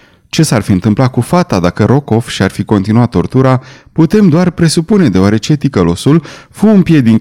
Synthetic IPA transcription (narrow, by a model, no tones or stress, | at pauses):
t͡ʃe̞sarfiɨnt̪ɨmplakufat̪ad̪akəɾo̞ko̞fʃiarfiko̞nt̪inuat̪ːo̞rt̪uɾaput̪e̞md̪oarpɾe̞supune̞d̪e̞oaɾe̞t͡ʃe̞t̪ikəlo̞sulfumpjed̪iŋ